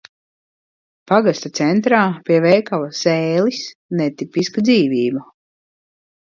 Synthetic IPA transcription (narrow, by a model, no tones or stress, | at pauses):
paɡast̪at̪sɛnt̪ɾaːpʲiɛvɛjkavasɛːlisnɛt̪ipiskad̪ziːviːba